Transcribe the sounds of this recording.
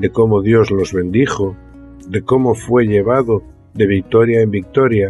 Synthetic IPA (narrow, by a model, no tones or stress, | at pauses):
d̪e̞ko̞moðjo̞zlo̞zβe̞nd̪ixo | d̪e̞ko̞mo̞fwe̞ʎe̞β̞aðo̞ | ðe̞β̞ik̚t̪o̞ɾjaembik̚t̪o̞ɾja